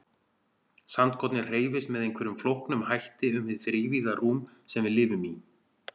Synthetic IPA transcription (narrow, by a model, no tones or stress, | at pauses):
sant̪̚kʰɔt̪nɪ̥r̥eːjvɪst̪mɛðejŋkvɛɾʏmflowhknʏmhajht̪ɪʏmhɪðθɾɪːviðaruːm | sɛmvɪðlɪːvʏmi